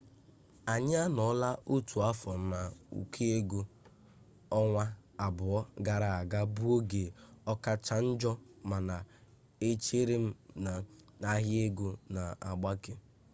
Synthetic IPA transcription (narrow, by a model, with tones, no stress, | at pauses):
a˨ɲ˦a˦nɔ˨˦la˦u˦tu˨a˦fɔ˨n̩˦na˨ṵ˨kʰe˦e˦ɡu˦ | ɔ˦ŋʷa˦a˨bʊ˨ɔ˦ɡa˨ɾa˨a˨ɡa˦bu˦o˦ɡe˨ɔ˦ka˦t͡ʃa˦n̩˦d͡ʒɔ˦ma˨na˨ | e˦t͡ʃe˦ɾe˦m̩˦˨ | a˦ɦje˦ɡu˦na˨a̰˨ɡ͡ba˦ke˦